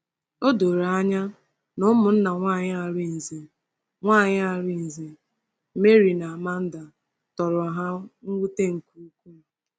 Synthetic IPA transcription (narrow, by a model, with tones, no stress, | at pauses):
o˦do˨ɾa˨a˦ɲa˦ | nʊ˦mʊ˨n̩˦na˨ŋʷa˦˨ɲ˦a˨ɾi˦n̩˨ze˨ | ŋʷaː˦˨ɲɪ˦a˦˨ɾi˦n̩˨ze˨˦ | me˦ɾi˨na˨a˨ma˦n̩˦da˨ | tɔ˨ɾʊ˨a˨ɦa˦ŋ̩˦ɡʷu˦te˦ŋ̩˨ku˦kʷu˦˨